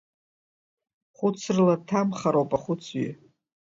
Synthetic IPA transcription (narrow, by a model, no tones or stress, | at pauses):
χʷʊt͡sʰrlatʰamχaɾowpʼaχʷʊt͡sʰɥi